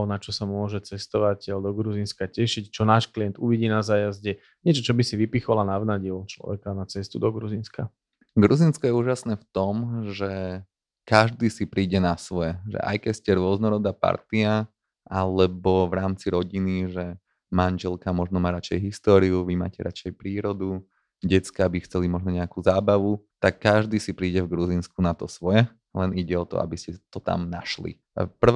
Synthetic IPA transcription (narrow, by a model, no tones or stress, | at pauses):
ɔnat͡ʃɔsamʊɔʒɛt͡sɛst̪ɔʋacɛld̪ɔɡɾuzinskacɛʃict͡ʃɔnaːʃkliɛnt̪uʋiɟiːnazaːjazɟɛ | ɲɪɛt͡ʃɔt͡ʃɔbisiʋipixɔlanaʋnaɟilt͡ʃlɔ̰ʋɛ̰kanat͡sɛst̪ud̪ɔɡɾuzinska | ɡɾuzinskɔjɛuːʒasnɛːft̪ɔmʒɛ | kaʒd̪iːsipɾiːɟɛnasʋɔjɛʒɛ̰ʔa̰jkɛcscɛɾʊɔznɔɾɔd̪aːpa̰ɾt̪ia | ʔalɛbɔʋɾaːmt͡siɾɔɟiniʒɛ | manʒɛlkamɔʒnɔmaːɾat͡ʃɛjɦist̪ɔːɾiuʋima̰ːcɛɾa̰t͡ʃɛjpɾiːɾɔd̪u | ɟɛt͡skabixt͡sɛlimɔʒnɔɲɛakuːzaːbaʋut̪akːaʒd̪iːsipɾiːɟɛvɡɾuziːnskunat̪ɔsʋɔjɛ | lɛniɟɛɔt̪ɔ̰a̰biscɛt̪ɔt̪a̰mnaʃlḭ | pr̩